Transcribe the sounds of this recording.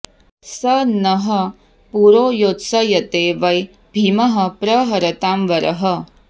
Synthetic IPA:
sɐnɐɦɐ | puɾoːjoːt̪sɐjɐt̪eːʋɐj | bʱimɐɦɐpɾɐɦɐɾɐt̪aːmʋɐɾɐɦɐ

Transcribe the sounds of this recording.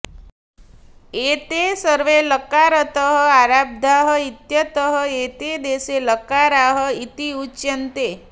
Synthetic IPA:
et̪esəɾʋeləkaɾət̪əɦəaɾab̚d̪ʱaɦəit̪jət̪əɦəet̪ed̪eseləkaɾaɦəit̪iut͡ʃːjənt̪e

